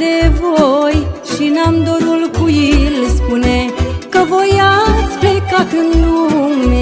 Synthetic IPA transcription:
evojʃinamd̪oɾulkujilspunekəvojat̪sblekat̪ɨnlume

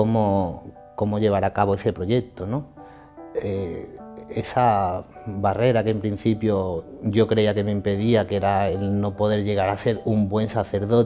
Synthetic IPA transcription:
komo | ko̞moʎe̞β̞aɾakaβoese̞pɾoʝek̚t̪onõ | e | esa | βare̞ɾakempɾin̟θipjoʝo̞kɾeiakemeimpeðiakeɾaelnopo̞ðe̞ɾʎe̞ɣaɾase̞ɾumbwẽ̞nsaθe̞ɾðot̪

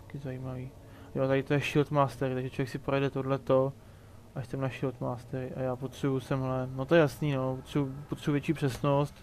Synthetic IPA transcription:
kɪzajimaviː | joʔt̪aɾɪt̪ojɛʃɪlt̪maːst̪ɛɾɪt̪aɡʒɛt͡ʃʰlovjɛksɪpɾojɛdɛt̪o̞dlɛt̪o̞ | ʔaʃsɛmnaʃɪlt̪maːst̪ɛɾɪʔajaːpot̪r̥ɛbujusɛmɦlɛnot̪ojɛjasniːnopot̪r̥ɛbupot̪r̥ɛbuvjɛt͡ʃiːpr̥ɛsno̞st̪

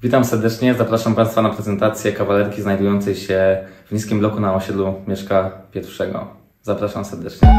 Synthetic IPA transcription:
vʲit̪amsɛɾd̪ɛt͡ʂɲɛzapɾaʂampãj̃st̪fanapɾɛzɛnt̪at̪sʲjɛkavalɛɾkʲiznajd̪ujɔnt̪sɛjɕɛvɲiskʲimblɔkunaɔɕɛd̪lumʲjɛʂkapʲjɛɾfʂɛɡɔ̰ | zapɾaʂamsɛɾd̪ɛt͡ʂɲɛ

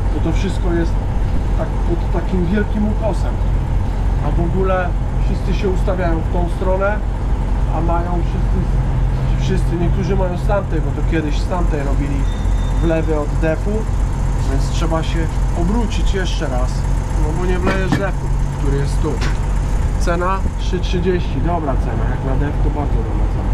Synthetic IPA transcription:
bɔt̪ɔfʂɘst̪kɔjɛst̪ːakpɔt̪ːakʲimvʲjɛlkʲimuk̪ɔsɛm | a̰vɔɡulɛ | fʂɘst̪sɘɕɛust̪avʲjajɔ̃w̃ft̪ɔ̃w̃st̪ɾɔnɛ | amajɔ̃w̃fʂɘst̪sɘ | fʂɘst̪sɘɲɛk̚t̪uʐɘmajɔ̃w̃st̪amt̪ɛjbɔt̪ɔkʲjɛd̪ɘɕst̪amt̪ɛjɾɔbʲilʲi | vlɛvɘɔd̪ːɛfuvʲjɛnt̪stʂɛbaɕɛɔbɾut͡ɕit͡ɕjɛʂt͡ʂɛɾas | nɔbɔɲɛvlɛjɛʐd̪ɛfukt̪uɾɘjɛst̪ːu | t̪sɛnatʂɘtʂɘd͡ʑeɕt͡ɕid̪ɔbɾat̪sɛna̰jaknad̪ɛft̪ɔbaɾd̪zɔd̪ɔbɾasa

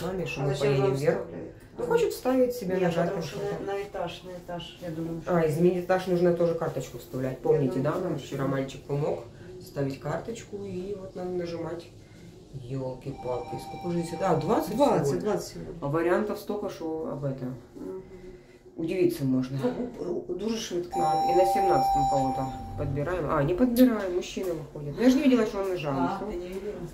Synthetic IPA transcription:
amʲeʂmɨpɐjedʲɪmvʲerx | noxot͡ɕɪt̪fst̪avʲvʲətʲsʲɪbʲenɐatʲpɐʂnəɪt̪aʂnəɪt̪aʂjad̪uməjʊaɪzmʲɪnʲitʲɪt̪aʂnuʐnət̪o̞ʐɨkart̪ət͡ɕkʊst̪ɐvlʲætʲpo̞mnʲɪtʲɪd̪anamt͡ɕɪɾɐmanʲt͡ɕɪk̚pɐmo̞k | st̪avʲɪtʲkart̪ət͡ɕkʊivot̪nad̪ənəʐɨmatʲ | jolˠkʲɪpakɪskokʊʐʲisʲəd̪ad̪vat̪sɨtʲvɡd̪vasɐvəɾʲɪant̪əfst̪okəʂoɐ̰bɛt̪əm | ʊdʲɪvʲit̪səmo̞ʐnəpud̪uʐɨʂvɨt̪kəinəsʲɪmnat̪sɨ̥t̪əmpɐlˠot̪əpəd̪̚bʲɪɾajɪmʔa̰nʲɪpəd̪̚bʲɪɾajɪmːʊɕːinəvɨxodʲɪt̪njaʐɨnʲɪvidʲɪlˠəsʃonːɨʐalˠəso

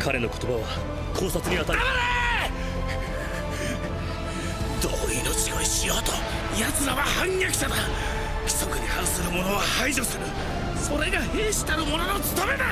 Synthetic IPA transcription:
kʰaɾe̞no̞ko̞̥t̪o̞baβa | kʰo̞ːsat͡sɨɲ̟iat̪ad̪amene | d̪oːinot͡ɕiɡoiɕijo̞ːt̪o | jat͡sɨɾaβahãŋjakʲi̥ɕad̪a | kʲi̥so̞kɯ̟ɲihaɾɯsɨɾɯ̟mo̞no̞βahaiʑo̞sɨɾɯ̟ | so̞ɾe̞ɡahe̞ːɕi̥t̪aɾɯ̟mo̞no̞no̞t͡sɨ̥t̪ome̞na

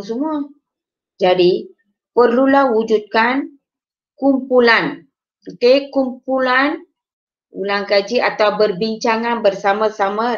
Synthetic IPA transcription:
ŋsumua | d͡ʒadi | pərlulahwud͡ʒut̪̚kan | kumpulan | əkekumpulan | ṵlaŋkad͡ʒiat̪awbərbiɲt͡ʃaŋanbərsamasama

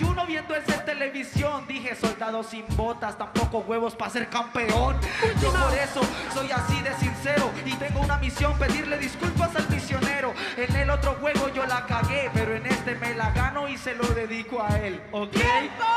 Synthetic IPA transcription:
uno̞βje̞nd̪oesent̪e̞le̞βisjo̞nd̪ixe̞so̞ld̪aðo̞simbo̞t̪ast̪ampo̞koɣwe̞βo̞spase̞ɾkampeo̞nipo̞ɾe̞so̞so̞jasiðe̞sinse̞ɾo̞it̪e̞ŋɡounamisjo̞mpe̞ðiɾle̞ðiskulpasalmisjo̞neɾo̞enelo̞t̪ɾo̞xwe̞ɣo̞ʝo̞lakaɣe̞peɾoene̞st̪e̞me̞laɣano̞ise̞lo̞ðe̞ðikoae̞l | okej

